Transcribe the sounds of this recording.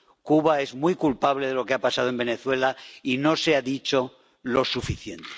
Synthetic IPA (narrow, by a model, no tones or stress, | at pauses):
kuβae̞zmwjkulpaβleðe̞lo̞keapasað̞oe̞mbe̞ne̞θwe̞laino̞seaðit͡ʃo̞ | lo̞sufiθje̞nt̪e̥